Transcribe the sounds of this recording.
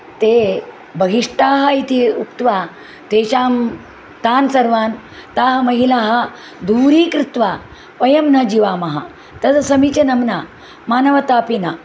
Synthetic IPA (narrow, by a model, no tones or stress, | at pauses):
t̪e | bʱɐɡiʂʈaːɦɐit̪iukt̪ʋaː | t̪eːt͡ɕaːm | t̪aːnsɐɾʋaːn | t̪aːɦɐmɐɦilaːɦɐ | d̪uːɾiːkɾit̪ʋaː | pɐjɐmnɐd͡ʑiʋaːmɐɦa̰ | t̪ɐsɐsɐmit͡ɕɐnɐmna | maːnɐʋɐt̪aːpina